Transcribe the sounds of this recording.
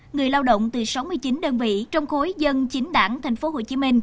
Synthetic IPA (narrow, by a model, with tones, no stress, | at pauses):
ŋɨ˨˩əjlaː˧wɗə̰˧˨wŋ͡mt̪ɨ˨˩sa˨˦wmɨ˧əjt͡ɕi˨˦nɗəː˧nvḭ˧˨t͡ɕɔ˧wŋ͡mxo˨˦jzə˧nt͡ɕï˨˦ŋ̟ɗaː˧˩ŋt̪ʰɛ˨˩ŋ̟fo˨˦ɦo˧˩t͡ɕi˨˦mï˧ŋ̟